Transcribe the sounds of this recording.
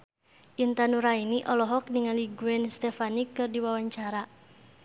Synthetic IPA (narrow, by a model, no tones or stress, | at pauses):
ʔint̪anuɾainiʔɔlɔɦɔk̚niŋaliɡuɛnst̪ɛfanikːɨrdiwawaɲt͡ʃaɾa